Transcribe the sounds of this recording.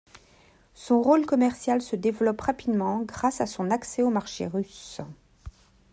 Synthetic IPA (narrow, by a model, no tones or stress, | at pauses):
sɔ̃ʁolkɔmɛʁsjalsəd̪evlɔpʁapid̪mɑ̃ɡʁasasɔ̃naksɛomaʁʃḛʁys